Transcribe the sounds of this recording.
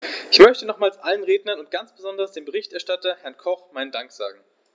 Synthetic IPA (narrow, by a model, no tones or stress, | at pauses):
ʔɪçmœçtənɔχmaːlsʔalənʁeːdnɐnʊnt̚ɡ̥ant͡sb̥əzɔndɐsd̥eːmbəʁɪçtɛɐʃtatɐhɛɐnkʰɔχmaɪnədaŋkz̥a̰ːɡŋ̩